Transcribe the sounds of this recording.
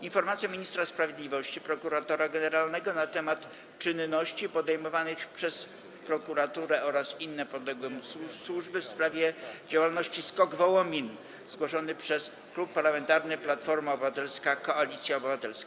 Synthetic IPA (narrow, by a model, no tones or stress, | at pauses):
infɔɾmat̪sjamʲiɲist̪ɾaspɾavʲjed̪lʲivɔɕt͡ɕipɾɔkuɾat̪ɔɾaɡɛnɛɾalnɛɡɔnat̪ɛmat̪ | t͡ʂɘnːɔɕt͡ɕipɔd̪ɛjmɔvanɘxpʂɛs | pɾɔkuɾat̪uɾɛʔɔɾasinːɛpɔd̪lɛɡwɛmususwuʐbɘfspɾavʲjɛd͡ʑawalnɔɕt͡ɕiskɔɡvɔwɔmʲin | zɡwɔʂɔnɘpʂɛs | klupːaɾlamɛnt̪aɾnɘplat̪fɔɾmaɔbɘvat̪ɛlskakɔalʲit̪sʲjaɔbɘvat̪ɛlskaa